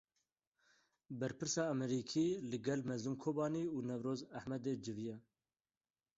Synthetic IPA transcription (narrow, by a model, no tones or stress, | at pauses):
bɛɾpʰɨɾsɑːɛmɛɾiːkʰiːlɨɡɛlmɛzɨmkʰoːbɑːniːuːnɛvɾoːzæhmɛd̪eːd͡ʒɨvijɛ